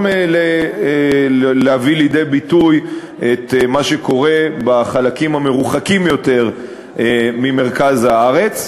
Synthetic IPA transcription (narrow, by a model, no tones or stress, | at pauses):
mle | leavilid̪e̞jbit̪uj | et̪maʃeko̞ʁe̞baχalakimhame̞ʁuχakimjo̞te̞ʁ | mime̞ʁkazhaaʁe̞t͡s